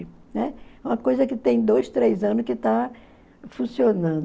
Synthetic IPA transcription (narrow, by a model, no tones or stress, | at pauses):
ɪnɛũmɐkojzɐkɪt̪ẽj̃d̪ojst̪ɾejzɐ̃nʊskɪt̪a | fũsionɐ̃d̪